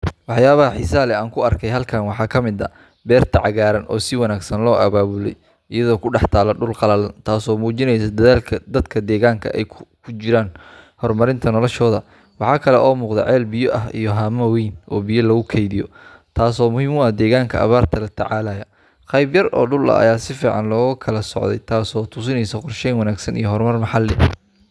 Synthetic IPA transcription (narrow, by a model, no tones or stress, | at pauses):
wɑħjaːβɐhɐħɪsaːlɛaːŋkʰʊɐrkʰɛjɦɐlkʰɐːnwɑħɑːkʰɐmɪd̪ɐ̰ | bɛːrt̪ʰɐʕɑɣaːɾɐnʔɔ̰ːsɪwɑnaːɡsɐnlɔːʔɐβaːβʊlɛ̰j | ʔɪjɐðɔːkʰʊɖɑħt̪ʰaːlɐɖʊlqɑlɐlɐnt̪ʰaːsɔːmuːt͡ʃɪnɛjs̬ɐd̪ɐðaːlkʰɐd̪ɐd̪kʰɐd̪ɛːɣaːŋkʰɐ̰ʔɛjkʰkʰʊt͡ʃɪɾaːnhɔrmɐɾɪnt̪ʰɐnɔlɔʃɔːðɐ | wɑħɑːkʰɐlɛʔɔːmuːqðɛ̰ʕɛːlbɪjɔʔɐɦḭjɔɦaːmɐwijnʔɔːbijɔlɐɣʊkʰɛjðɪjɔ | t̪ʰaːsɔːmʊhiːmʊɐd̪ɛːɣaːŋkʰɐɐ̰βaːrt̪ʰɐlɐt̪ʰɐ̰ʕaːlɐjɐ | qɑjbjɐrʔɔ̰ːɖʊlɐ̰ʔɐ̰jaːsɪfiːʕɑ̰nlɔːɣkʰɐlɐsɔ̰ʕd̪ɛ̰jt̪ʰaːsɔːt̪ʰʊsɪnɛjsɐqʊrʃɛnwɑnaːɡsɐnḭjɔɦɔrmɐrmɑħɑlːɛ